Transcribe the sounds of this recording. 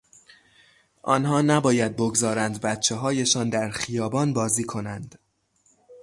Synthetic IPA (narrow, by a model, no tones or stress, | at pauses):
ʔɒ̰nhɒːnæbɒːjæd̪̚boɡzɒːɾænd̪bæt̪t͡ʃʰeɦɒːje̞ʃɒːnd̪æɾxijɒːbɒːnbɒːziːkʰo̞nænd̪̥